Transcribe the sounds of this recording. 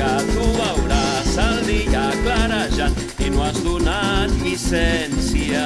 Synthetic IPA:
at̪uawɾasald̪iaklaɾaʒan | enwazd̪unanisɛnsia

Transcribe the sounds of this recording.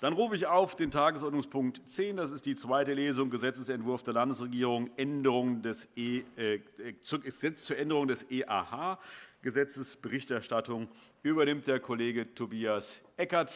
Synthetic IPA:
d̥anʁuːfəɪçaʊfd̥eːntʰaːɡəsɔɐdnʊŋspʰʊŋk̚tt͡seːndasɪst̚d̥iːt͡sv̥aɪtəleːzʊŋɡəzɛt͡səsɛntv̥ʊɐfd̥eːɐlandəsʁeɡiːʁ̞ʊŋʔɛndəʁʊŋəndɛseː | t͡susɛt͡st͡suːɐʔɛndəʁʊŋdɛseːʔa̰ːhaːɡ̥əzɛt͡səsb̥əʁɪçtɛɐʃtatʊŋʔyːbɐnɪmt̚d̥eːɐkʰoleːɡətʰobiːasʔɛkɐɐt

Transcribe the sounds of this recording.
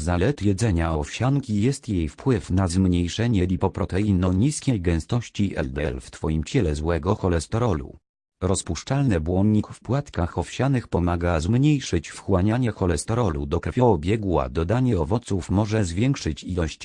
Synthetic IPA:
zalɛt̪jɛd̪zɛɲaɔfɕaŋkʲijɛst̪jejfpwɘfnazmɲejʂɛɲɛlʲipɔpɾɔt̪ɛinɔɲiskʲejɡɛ̃w̃st̪ɔɕt͡ɕiʔɛ̰ld̪ɛɛ̰lft̪fɔjimt͡ɕɛlɛzwɛɡɔxɔlɛst̪ɔɾɔlṵ | ɾɔspuʂt͡ʂalnɛbwɔnɲikfpwat̪kaxɔfɕanɘxpɔmaɡazmɲejʂɘt͡ɕfxwaɲaɲɛxɔlɛst̪ɔɾɔlṵd̪ɔkɾɛfʲjɔɔbʲjɛɡwa̰d̪ɔd̪aɲɛɔvɔt̪sufmɔʐɛzvʲjɛŋkʂɘt͡ɕilɔɕt͡ɕ

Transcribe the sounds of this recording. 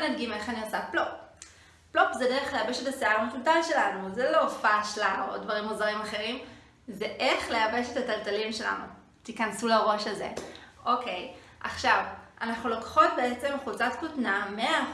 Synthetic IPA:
nadɡime̞χaniosaplop̚ː | lopzede̞ʁeχle̞abe̞ʃe̞taseaʁmetutalʃe̞lanuzelofaʃlao̰ddvaʁimozaʁimaχe̞ʁim | zeʔeχle̞abe̞ʃetataltalimʃe̞la̰nṵ | t̪ikɐnsulaʁo̞ʃazḛʔo̞ke̞j | ʔa̰χʃavʔanaχnulokχo̞t̚be̞et͡se̞mχut͡satkutnamea

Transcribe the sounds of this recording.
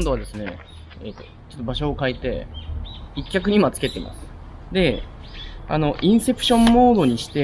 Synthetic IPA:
nd̪oad̪e̞sɨne̞ | et̪ːo | t͡ɕo̞t̪ːobaɕo̞ːkait̪e̞ | ikʲːakɯ̟ɲ̟imat͡sɨ̥ke̞t̪emʔa̰sɨ̥ | d̪e̞ | a̰no̞ʔĩɰ̃se̞pɯ̟̥ɕõ̞mːo̞ːd̪o̞ɲ̟iɕi̥t̪e̞

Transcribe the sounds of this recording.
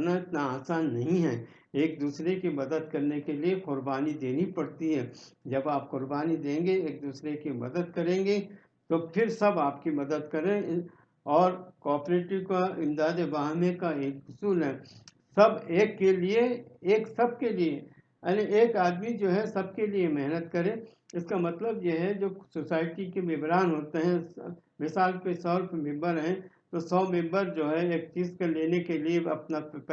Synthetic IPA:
naɪt̪naaːsaːnːɐɦĩɦɛː | eːk̚d̪uːsɾekimɐd̪əd̪̚kɐɾnekelieqʊɾbaːnid̪eːnipɐɽt̪iɦɛːd͡ʒɐbaːp̚qʊɾbaːnid̪ẽːŋɡeeːk̚d̪uːsɾekimɐ̰d̪əd̪̚kɐɾẽːŋɡe | t̪opʰɪɾsɐbaːpkimɐd̪əd̪kɐɾẽ | ɔːɾkɔːɾpɾeːʈɪʋkaɪ̃md̪aːd̪ebaːɦmẽkaeːkɦʊsuːlɦɛː | sɐbeːkːelieeːksɐb̚kelie | aniʔeːkaːd̪mid͡ʒoːɦɛsɐb̚keliemɛɦnət̪kɐɾẽ | ɪskamɐt̪ləbjeɦɛd͡ʒoːsosaːɪʈikeʋɪbɾaːnɦoːt̪eɦɛ̃ | mɪsaːlkesɔːɾpmɪ̃mbəɾɦɛ̃ | t̪osɔːmɪ̃mbəɾd͡ʒoːɦɛeːk̚t͡ʃiːzkeleːnekelieɐpna

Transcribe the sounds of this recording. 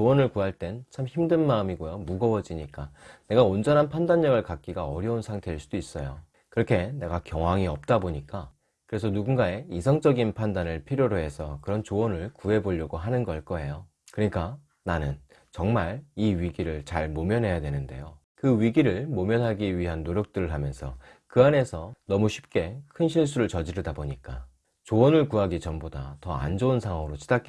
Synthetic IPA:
t͡ɕowʌnɯɭkuɦaɭt͈e̞nt͡ɕʰamçimdɯnmaɯmiɡojomuɡʌʌd͡ʑiɲik͈ane̞ɡaond͡ʑʌnɦanpʰandaɲːʌɡɯɭkak̚k͈iɡaʌɾjʌunsʰaŋtʰe̞ɯɭs͈ud̥ois͈ʌjo | kɯɾʌkʰe̞ne̞ɡakjʌŋɦwaŋiʌp̚t͈aboɲik͈a | kɯɾe̞sʰʌnuɡunɡae̞isʰʌŋt͡ɕ͈ʌɡinpʰandanɯɭpʰiɾjoɾoɦe̞sʰʌkɯɾʌnt͡ɕowʌnɯɭkuɦe̞boʎːʌɡoɦanɯnɡʌɭk͈ʌe̞jo | kɯɾɲik͈a | nanɯn | t͡ɕʌŋmaɭiɥiɡiɾɯɭt͡ɕaɭmomjʌnɦe̞jadwe̞nɯnde̞̰jo | kɯɥiɡiɾɯɭmomjʌnɦaɡiɥiɦanːoɾjʌk̚t͈ɯɾɯɭɦamjʌnsʰʌ̰ | kɯane̞sʰʌnʌmuɕʰi̥p̚k͈e̞kʰɯnɕʰiɭs̬͈uɾɯɭt͡ɕʌd͡ʑiɾɯdaboɲik͈a | t͡ɕowʌnɯɭkuɦaɡit͡ɕʌmboda̰tʌa̰nd͡ʑounsʰaŋɦwaŋɯɾot͡ɕʰi̥dak͈e

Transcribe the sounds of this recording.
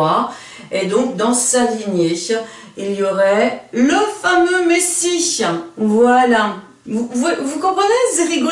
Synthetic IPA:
a | ed̪ɔ̃k̚d̪ɑ̃saliɲeʃ | iljɔʁɛləfamømesiʃvwala | vuvɛvukɔ̃pχənezeʁiɡɔ

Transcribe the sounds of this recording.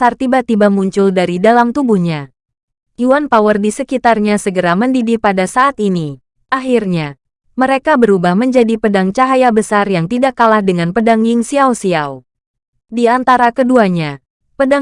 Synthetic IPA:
sart̪ibat̪ibamuɲt͡ʃʊldaɾidalamt̪ubuhɲa | uwanpawərdisəkit̪arɲasəɡəɾaməndidipadasaːt̪ini | ʔaɦirɲa | məɾekabəɾubahməɲd͡ʒadipədaŋt͡ʃaɦajabəsarjaŋt̪idakːalahdəŋanpədaŋjɪŋsiawsiaw | diant̪aɾakəduaɲa | pəda

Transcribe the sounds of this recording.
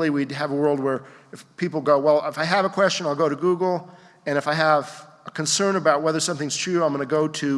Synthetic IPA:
liwid̚ɨvəwɜ˞lˠd̚wə˞ɨfpʰipl̩ˠɡoʊwɛlˠɪfaɪɨvəkʰw̥ɛst͡ʃɨ̃ñaɪlˠɡoʊɾɨɡuɡl̩ˠ | ɨ̃ñɨfaɪəvəkʰɨ̃nsɜ̃˞nɨbaʊt̚wɛðə˞sʌ̃mθɪ̃ŋz̥tʰɹ̥ʉaɪ̃mɡʌ̃nɨɡoʊɾɨ

